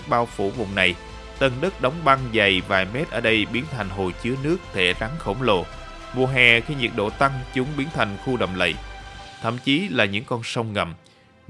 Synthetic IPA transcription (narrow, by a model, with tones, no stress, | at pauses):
ɓaː˧wfṵ˧˩vʊ̰˧˨ŋ͡mna˨˩j | t̪ə˧˩nɗə˦˥t̚ɗa˨˦wŋ͡mɓa˧ŋza˨˩jvaː˨˩jmɛ˦˥t̚ʔəː˧˩ɗə˧jɓi˨˦ənt̪ʰa˨˩jŋ̟ɦo˨˩jt͡ɕɨ˨˦ənɨ˦˥ək̚t̪ʰe˧˩ɗa˨˦ŋxə̰˧˩wŋ͡mlo̰˧˨ | mu˨˩əɦɛː˨˩xi˧ɲi˨˩ət̚ɗo̰˧˨t̪a˧ŋt͡ɕʊ˨˦ŋ͡mɓi˨˦ənt̪ʰa˨˩jŋ̟xu˧ɗə̰˧˨wŋ͡mlə̰˧˨jt̪ʰə̰˧˨mt͡ɕi˨˦laː˨˩ɲɨ̰˧˥ŋkɔ˧nsə˧wŋ͡mŋə̰˨˩m